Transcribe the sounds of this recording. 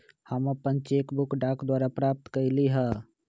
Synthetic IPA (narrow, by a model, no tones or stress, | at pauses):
həməpːənt͡ʃekbʊkɖaːkd̪waːɾapɾaːp̚t̪kəliɦɛ